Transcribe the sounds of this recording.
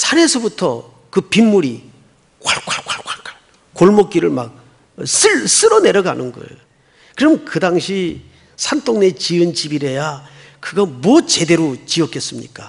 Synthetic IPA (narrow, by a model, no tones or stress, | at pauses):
sʰaɾe̞sʰʌbutʰʌ̰ | kɯpimːuɾi | kaɭkwaɭkwaɭk͈wakaɭ | koɭmok͈̚iɾɯɭmak̚ | sɯɭs͈ɯɾʌne̞ɾʌɡanɯnɡʌ̰j | kɯɾʌmkɯdaŋɕʰi | sʰant͈ʰoŋne̞t͡ɕiɯnt͡ɕibiɾe̞ja | kɯɡʌmwʌt͡ɕe̞de̞ɾot͡ɕiʌk͈es͈ɯmɲḭk͈a